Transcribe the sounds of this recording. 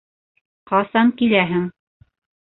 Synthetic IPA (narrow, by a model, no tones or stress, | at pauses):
qɑsɑŋkilæɦɘŋ